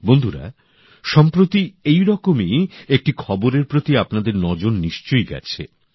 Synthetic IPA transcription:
bond̪ʱuɾa̰ | ʃɔmpɾot̪iejɾɔkomiek̚ʈikʰɔboɾeɾpɾot̪iapnad̪eɾnɔd͡ʑonniʃt͡ɕojɡɛ̰t͡ɕʰḛ

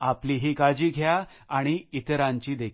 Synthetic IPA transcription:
apliɦikad͡ʑiːɡʱjaː | ɽ̃iit̪ɾãɲt͡ɕiːd̪ekʰ

